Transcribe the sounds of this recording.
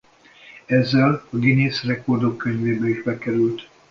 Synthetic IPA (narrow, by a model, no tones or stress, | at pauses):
ɛzːɛlɒɡineːsrɛko̞rd̪o̞kːøɲveːbɛiʒbɛkɛɾylt̪